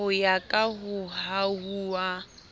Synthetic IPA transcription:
ʊjakʼaɦʊɦaɦuːwa

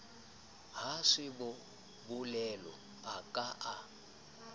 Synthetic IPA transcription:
haʂibɔ | bulɛlɔ̰ | akʼaʔa

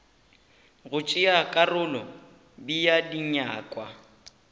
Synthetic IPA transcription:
ɣʊt͡ʃʼɪakʼarʊlɔ | bijadiɲaːkʼwa

